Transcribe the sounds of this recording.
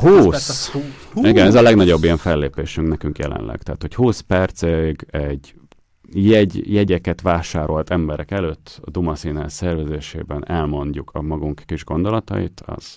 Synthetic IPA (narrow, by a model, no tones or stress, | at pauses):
huːs | iɡɛnɛzɒlɛɡnɒɟo̞bːijɛɱfɛlːeːpeːʃyŋknɛkyŋkjɛ̰lɛ̰nlɛ̰ɡt̪ɛɦːt̪ho̞chuːspɛrt̪seɡɛɟ | jɛɟjɛɟɛkɛt̪ʋaːʃaːɾo̞lt̪ɛmbɛɾɛkɛløːt̪ːɒd̪umɒsiːnasɛrvɛzeːʃḛːbɛnɛlmo̞ɲɟːukʰɒmɒɡuŋkːiʒɡo̞nd̪o̞lɒt̪ɒ̰jḭt̪ʰɒ̰z̥